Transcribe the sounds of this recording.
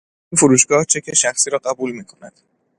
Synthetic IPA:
ʔinfoɾuːʃɡɒːht͡ʃʰe̞cʰe̞ʃæxsiːɾɒːɢæbuːlmiːkʰo̞næd̪̥

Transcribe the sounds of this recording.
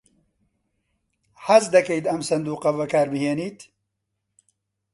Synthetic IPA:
hɐzd̪ɐkɐjt̪ɐmsɐnd̪uːqɐbɐkaːɾbɨheːniːt̪

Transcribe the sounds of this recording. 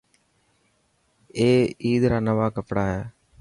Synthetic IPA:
eːiːd̪ɾaːnəʋaːkəpɽaːɦɛː

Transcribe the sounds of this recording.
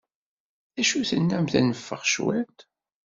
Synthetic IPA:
θæʃuθənːæmθæ̰nəfːə̰ʁʃwælt̪

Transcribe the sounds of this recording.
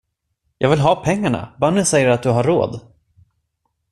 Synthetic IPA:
jʔɑːɡvɪlɦɑːpʰɛŋːaɳa̰banːəsɛjːəɾat̪̚d̪ɵɦaɾːo̰ːd̪

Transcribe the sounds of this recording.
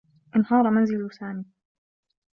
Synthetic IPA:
ʔɪnhɑːɾˤmanzɪlsaːmiː

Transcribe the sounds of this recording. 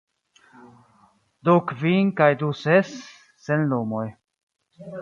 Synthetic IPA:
d̪ukviŋkajd̪usesː | enlumoj

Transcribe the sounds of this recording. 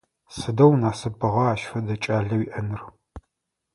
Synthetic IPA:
sɨdɐwnaːsɨbʰɨʁɐaːʃfɐdɐt͡ʃʼaːɮɐwiʔɐnɨr

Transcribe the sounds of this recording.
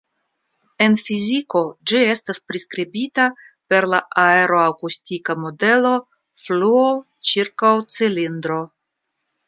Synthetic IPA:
e̞nfiziko̞d͡ʒie̞staspɾiskɾibita | pe̞ɾlaʔae̞ɾo̞akustikamo̞de̞lo̞ | fluo | t͡ʃiɾkawt͡silind̪ɾo̞

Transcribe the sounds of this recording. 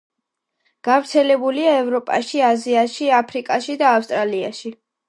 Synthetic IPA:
ɡ̥avɾt̪sʰɛlɛbuliaɛvɾɔpʼaʃiaziaʃiapʰɾikʼaʃid̪aːfst̪ʼɾalia̰ʃi

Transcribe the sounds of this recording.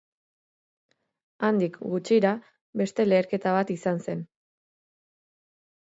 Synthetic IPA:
and̪ikɡut͡ʃiɾa | βe̞st̪e̞le̞ːɾke̞t̪aβ̞at̪isanse̞n

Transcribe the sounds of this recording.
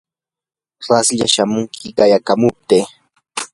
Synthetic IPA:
ɾɑsʎa̰ʃamʊŋkʰɪɢɑjakamʊp̚t̪eː

